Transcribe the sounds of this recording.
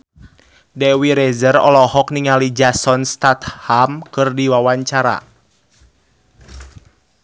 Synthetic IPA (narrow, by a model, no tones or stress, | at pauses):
dɛwiɾɛzərɔ̰lɔhɔk̚niŋalid͡ʒasɔnst̪at̪hamkɨrdiwawaɲt͡ʃaɾa̰